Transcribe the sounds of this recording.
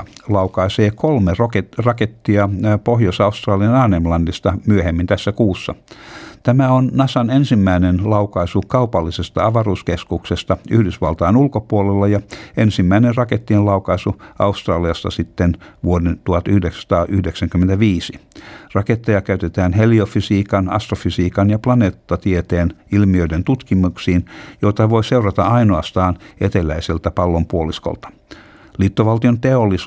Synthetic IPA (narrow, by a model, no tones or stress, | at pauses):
lɑukɑiseːkolmerokerɑket̪ːiɑpohjosɑust̪rɑːliɑnɑːnemlɑndist̪ɑmyøhemːint̪æsːækuːsːɑ̰t̪æmæonnɑsɑnensimːæinenlɑukɑisukɑupɑlːisest̪ɑɑʋɑruːskeskuksest̪ɑyhdysʋɑlt̪ɑːnulkopuolelːɑjɑensimːæinenrɑket̪ːiellɑukɑisuɑust̪rɑːliɑst̪ɑ̰sit̪ːenʋuodent̪uhɑt̪yhdeksst̪ɑːʔyhdeksæŋkymːent̪æʋiːsirɑket̪ːejɑkæyt̪et̪æːnɦeliofisiːkɑnɑ̰st̪rofysiːkɑnjɑplɑneːt̪ːɑt̪iet̪eːnilmiøident̪ut̪kimuksiːnjo̞t̪ɑʋo̞iseurɑt̪ɑ̰ɑinoɑst̪ɑːnet̪elæiselt̪æpɑlːompuolisko̰lt̪ɑ̥ | lit̪ːoʋɑlt̪iont̪eolːis